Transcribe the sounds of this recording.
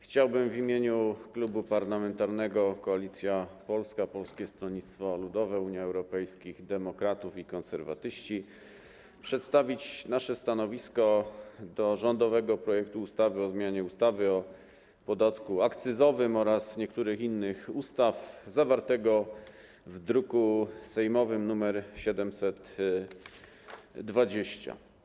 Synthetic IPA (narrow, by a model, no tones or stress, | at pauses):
xt͡ɕawbɘmvimʲjeɲuklubupaɾlamɛnt̪aɾnɛɡɔkɔalʲit̪sʲjapɔlskapɔlskʲɛst̪ɾɔɲit̪st̪fɔlud̪ɔvɛuɲjaɛwɾɔpɛjskʲiɣd̪ɛmɔkɾat̪ufikɔnsɛɾva̰t̪ɘɕt͡ɕi | pʂɛt̪st̪avʲit͡ɕnaʂɛst̪anɔvʲiskɔd̪ɔʐɔnd̪ɔvɛɡɔpɾɔjɛkt̪uːst̪avɘɔzmʲjaɲɛust̪avɘɔ | pɔd̪at̪kuakt̪sɘzɔvɘmɔɾasɲɛkt̪uɾɘxinːɘxust̪avzavaɾt̪ɛɡɔ | vd̪ɾukusɛjmɔvɘmnumɛɾɕɛd̪ɛmsɛt̪ | d̪vad͡ʑeɕt͡ɕa̰